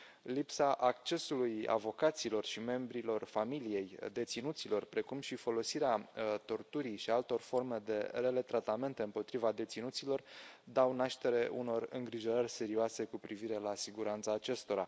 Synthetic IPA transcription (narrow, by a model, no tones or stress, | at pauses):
lipsaʔak̚t͡ʃe̞suluja̰vo̞kat̪silo̞rʃime̞mbɾilo̞rfamilije̞jd̪e̞t̪sinut̪silo̞rpɾe̞kumʃifo̞lo̞siɾeat̪o̞rt̪uɾijʃialt̪o̞rfo̞rme̞d̪e̞̰ɾele̞t̪ɾat̪ame̞nt̪e̞ɨmpo̞t̪ɾivad̪e̞t̪sinut̪silo̞rd̪awnaʃt̪e̞ɾe̞ʔuno̞rɨŋɡɾiʒo̞ɾərʲse̞ɾioase̞kupɾiviɾe̞lasiɡuɾant̪saːt͡ʃe̞st̪o̞ɾa